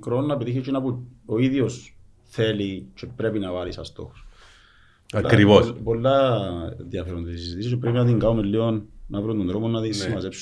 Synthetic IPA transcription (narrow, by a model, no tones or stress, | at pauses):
kɾonːɐpet̪içit͡ʃʰinapuoiðjos | θelit͡ʃʰepɾepinɐvalisɐst̪o̰xo̥s | paɾivospolːɐnðjɐfeɾont̪isisit̪ist͡ʃepɾepinat̪iŋɡaomilːionːavɾond̪ond̪ɾomonːaðismazeps